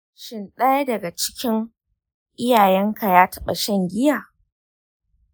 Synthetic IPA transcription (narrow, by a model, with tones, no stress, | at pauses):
ʃɪ˨nɗaː˦ja˦dɐ˨ɡa˨t͡ʃɪ̥˦kʲɪ˦ŋ | ʔɪ˦jaː˨jɛ˦ŋka˨jaː˦tɐ˦ɓɐ˨ʃɐ˦˨ŋɡʲɪ˦jaː˨